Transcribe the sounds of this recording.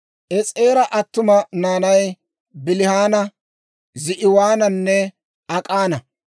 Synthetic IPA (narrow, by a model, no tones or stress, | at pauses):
ʔɛt͡sʼeːɾɐʔɐt̪ːʊmɐnaːnɐj | bɪlɪhaːnɐ | zɪʔɪwaːnɐnːɛ | ɐkʼaːnɐ